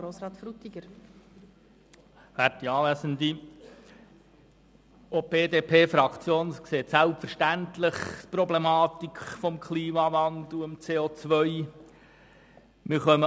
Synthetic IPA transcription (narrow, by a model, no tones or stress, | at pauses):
oːsɾɑːt̪fɾut̪iɡəɾ | fæɾtiɑːlæsənd̪i | ʔob̥eːd̪eːpʰeːfɾɑkt͡sjoːnskseːtsælpfəɾʃtænt̪lɪχpɾɔblemɑːt̪ikfɔmkʰliːmɑvɑnd̪l̩əmt͡seːoːt͡sʋœʏ | mɪɾχœmə